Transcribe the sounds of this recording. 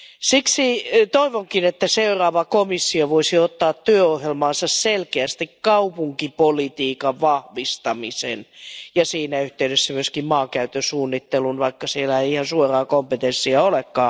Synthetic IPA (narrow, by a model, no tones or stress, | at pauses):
siksit̪oiʋoŋkinet̪ːæseurɑːʋɑkomisːioʋoisiot̪ːɑːt̪tyøohjelmɑːnsɑsselkeæst̪ikkɑupuŋkipolit̪iːkɑʋʋɑhʋist̪ɑmisḛnjɑsiːnæyht̪eydesːæmyøskimmɑːkæyt̪øsuːnːit̪ːelunʋɑikːɑsielæeiihɑnsuorɑːkompet̪ensːiæolekːɑː